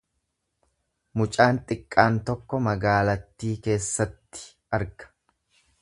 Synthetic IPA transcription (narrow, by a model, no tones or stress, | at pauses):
mʊt͡ʃʼaːnt̪ʼɪkʼːaːnt̪ɔkːɔmɐɡaːlɐt̪ːiːke̞ːsːɐt̪ːɪ̥ | ʔɐɾɡɐ̥